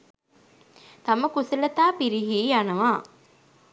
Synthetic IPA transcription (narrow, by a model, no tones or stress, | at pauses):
t̪ɐməkusɐlɐt̪aːpiɾiɦiːanɐʋaː